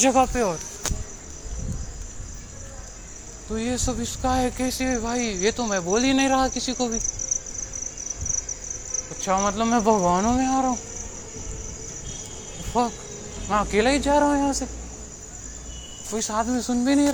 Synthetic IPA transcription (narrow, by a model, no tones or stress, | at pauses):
d͡ʒɐɡapeɔːɾ | t̪ojesɐbɪskaɦɛkɛːsiɛbʱaːijet̪omɛ̃boːlinɐɦĩɾɐɦakɪsikobʱi | ɐtːʃʰamɐt̪ləbmɛ̃bʱɐɡʋaːnõmẽaːɾaɦũ | fɐk | mɛ̃ɐkeːlaːid͡ʒaːɾaɦũjɐɦãːse | koɪsaːd̪mẽsʊnbʱinɐɦĩɾ